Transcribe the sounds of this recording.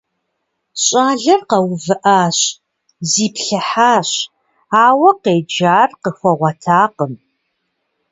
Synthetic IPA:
ɕʼaːɮɐrqɐwvɨʔaːɕ | ziːpɬɐħaːɕ | aːwɐqeːd͡ʒaːrqəxʷɔʁʷɐtʰaːqəm

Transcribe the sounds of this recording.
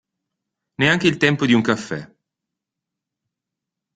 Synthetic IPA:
neaŋk̟eilt̪ɛmpod̪iuŋkafːɛ̰

